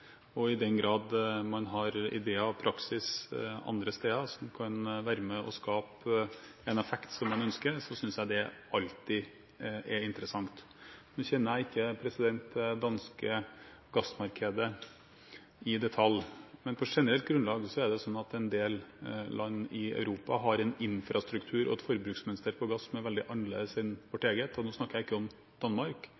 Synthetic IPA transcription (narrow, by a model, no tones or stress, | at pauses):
ɔɪd̪ɛnɡɾɑːd̪mɑnɦɑɾɪ̰d̪eːəɑʋpʰɾɑksɪsɑ̰nd̪ɾəst̪eːəsɔmkʰɑnʋæːɾəmɛɔskɑːp | ɛnɛfɛkt̪sɔmːɑnœnskəɾsɔsʏnsjæɪd̪ɛʔɑlt̪ɪ | ʔɛɾɪnt̪əɾəsɑŋt̪ | nːçɛnːəɾjæɪɪkːəpʰɾɛsɪd̪ɛnt̪d̪ɑnskəɡɑsmɑɾkʰɛd̪ə | ɪd̪ɛt̪ʰɑlmɛnpʰɔʂɛnəɾɛlt̪̚ɡɾʉnlɑːɡsɔɛɖɛsɔnːɑt̪ɛnd̪eːllʔɑnːɪɑ̰ʉɾuːpɑ̰ɦɑɾɛnɪnfɾʔɑst̪ɾʉkt̪ʰʉːɾʔɔ̰ɛt̪fɔɾəbɾʉːksmɛnɪst̪əɾpʰɔɡɑsːɔmɛʋɛld̪ɪʔɑnlḛːd̪əsɪnʋɔʈːeːɡəet̪ɔnoːsnɑkəjæɪɪkːəɔm | d̪̥ɑnmɑɾk